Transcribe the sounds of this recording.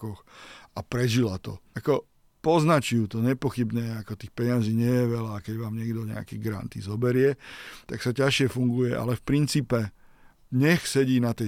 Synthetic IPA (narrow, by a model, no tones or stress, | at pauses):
kɔxapɾɛʒilat̪ɔ̰akɔ | pɔznat͡ʃujuːt̪ɔɲɛpɔxibɲɛjɛakɔt̪iːxpɛɲɪaziːɲɪɛjɛʋɛlaːkɛɟʋaːmɲɪɛɡd̪ɔɲɛ̰akɛɡɾa̰nt̪ḭzɔbɛɾɪɛt̪aksacaʃɪɛfuŋɡujɛʔa̰lɛfpɾint͡siːpɛ | ɲɛxsɛɟiːnat̪ɛ